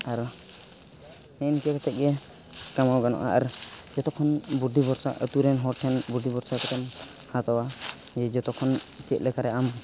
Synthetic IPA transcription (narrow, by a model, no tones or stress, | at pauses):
aɾ | nɛnkɛkat͡ʃɛt̪̚ˀɡɛ | kamawɡanɔ̰ʔa̰ʔaɾd͡ʒɔt̪ɔkʰːɔnbuɾd̪ibɔɾsa̰ʔə̰t̪uɾɛnɦɔɾʈʰɛnbuɾd̪ibɔɾsakɔt̪ɛmhãt̪ɔwad͡ʒɛd͡ʒɔt̪ɔkʰɔnt͡ʃɛt̪̚lɛkaɾɛʔam